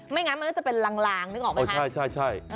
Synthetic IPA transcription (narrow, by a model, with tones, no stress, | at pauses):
ma˥˩jŋa˦˥ma˧nʰːkːt͡ɕpe˧nlaː˧ŋlaː˧ŋnɯː˧˥kɔː˧˩ma˧˩˥a˥˩jt͡ɕʰa˥˩jt͡ɕʰa˥˩j